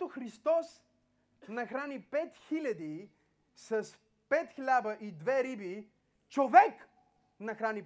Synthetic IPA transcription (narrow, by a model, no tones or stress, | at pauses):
t̪oxɾist̪ɔs | nɐxɾanipɛt̪xilʲɐd̪i | sɐs | pɛt̪xlʲabəʔid̪vɛɾibi | t͡ʃovɛk | nɐxɾani